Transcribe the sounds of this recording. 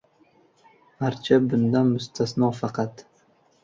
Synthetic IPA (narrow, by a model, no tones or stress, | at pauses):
maɾt͡ʃʰabʊnd̪anmʊst̪ʰasnɒfɑqʰɑt̪